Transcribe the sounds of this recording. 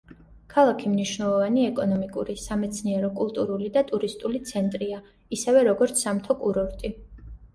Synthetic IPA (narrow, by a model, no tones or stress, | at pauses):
kʰalˠakʰimniʃvnɛlˠɔvaniɛkʼɔnɔmikʼṵɾisamɛt̪sʰniɛɾɔkʼulˠt̪ʼuɾulid̪at̪ʼuɾist̪ʼulit̪sʰɛnt̪ʼɾia | isɛvɛɾɔɡɔɾt̪sʰamt̪ʰɔkʼuɾɔɾt̪ʼi